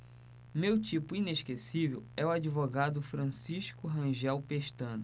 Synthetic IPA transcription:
mewt͡ʃipʊĩneʃkesivḛwɛwad͡ʒivoɡad̪ʊfɾɐ̃siʃkʊɦɐ̃ʒɛwpeʃt̪ɐ̃nʊ

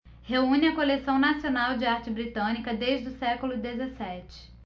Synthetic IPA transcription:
heũnɪɐkolesɐ̃w̃nasionawd͡ʒɪaɾt͡ʃɪbɾit̪ɐ̃nikɐd̪eʒɪd̪ʊsɛkʊlʊd̪ezesɛt͡ʃɪ̥

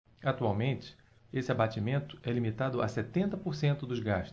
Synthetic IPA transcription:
at̪uawmẽnt͡ʃɪ̥ | esɪabat͡ʃimẽnt̪ʊɛlimit̪ad̪ʊa̰sɛt̪ẽnt̪ɐpoɾsẽnt̪ʊd̪ʊzɡaʃt̪ʊ

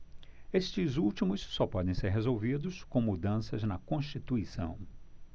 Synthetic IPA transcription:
est͡ʃɪzuwt͡ʃimʊsːɔpɔd̪ẽj̃seɾɦezowvid̪ʊskõw̃mud̪ɐ̃sɐznɐkõʃt͡ʃit̪uisɐ̰̃w̃

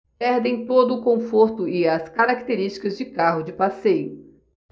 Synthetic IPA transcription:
pɛɾd̪ẽj̃t̪od̪ʊːkõfoɾt̪ʊɪɐskaɾak̚t̪eɾist͡ʃi̥kɐzd͡ʒɪkaɦʊd͡ʒɪpasejʊ

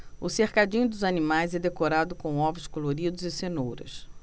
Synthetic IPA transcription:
ʊseχkad͡ʒĩɲʊd̪ʊzanimajzɛd̪ekoɾad̪ʊkõw̃ɔvʊskoloɾid̪ʊzɪsenowɾɐ̰s

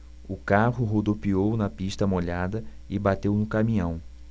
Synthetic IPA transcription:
ʊkaɦʊɦod̪opiownɐpiʃt̪ɐmoʎad̪ɐ | ɪbat̪ewnʊkamĩɲɐ̃w̃

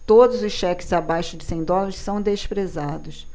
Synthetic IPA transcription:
t̪od̪ʊzʊsʃɛkɪ̥zabajʃʊd͡ʒɪsẽj̃d̪ɔlaɾɪssɐ̃w̃d̪eʃpɾezad̪ʊs

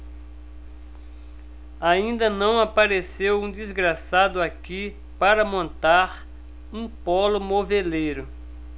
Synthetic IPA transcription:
aĩnd̪ɐnɐ̃w̃apaɾesewũd̪izɡɾasad̪ʊaki | paɾɐmõnt̪aɾ | ũpɔlʊmovelejɾʊ

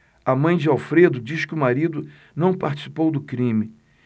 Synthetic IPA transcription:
ɐmɐ̃j̃d͡ʒɪawfɾed̪ʊd͡ʒiʃkɪʊmaɾid̪ʊ | nɐ̃w̃paɾt͡ʃi̥si̥powd̪ʊkɾĩmɪ

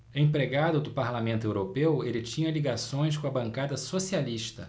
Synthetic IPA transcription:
ẽpɾeɡad̪ʊd̪ʊpaɾlamẽnt̪ʊewɾopewelɪt͡ʃĩɲɐliɡasõj̃s̬kõɐbɐ̃ŋkad̪ɐsosialiʃt̪ɐ

